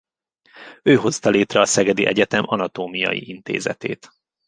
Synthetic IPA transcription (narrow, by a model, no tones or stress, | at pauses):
øːɦo̞st̪ɒleːt̪rɛɒsɛɡɛd̪iʔɛɟɛt̪ɛmɒnɒt̪oːmijɒ̰jḭʔint̪ḛːzɛ̰t̪ḛːt̪